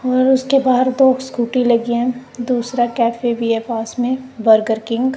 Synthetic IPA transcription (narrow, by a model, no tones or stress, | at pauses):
ɔːɾʊskebaːɦəɾd̪oːkskuːʈilɐɡiɦɛ̃d̪uːsɾakɛːpʰebiepaːsmẽbəɾɡəɾkɪ̃ŋɡ